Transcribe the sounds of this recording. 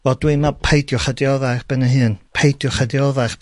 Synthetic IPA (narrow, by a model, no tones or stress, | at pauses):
vɔd̥wiɨmapʰejdjɔχədiɔðaɨχb̥ɛnəɦɨːnpʰejdjɔχədiɔðaχ